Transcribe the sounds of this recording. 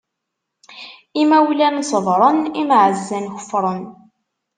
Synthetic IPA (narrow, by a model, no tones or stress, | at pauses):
imæwlænsəðˤɾˤənimʕəzːænçə̥fɾˤən